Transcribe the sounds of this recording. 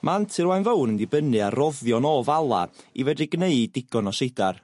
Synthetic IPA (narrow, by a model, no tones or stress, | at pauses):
mʔantʰɨɾwajnvownəndɪbənɨarɔvjɔnɔːvalˠa̰ivɛdɨɡneɨdɪɡ̥ɔnɔsejdar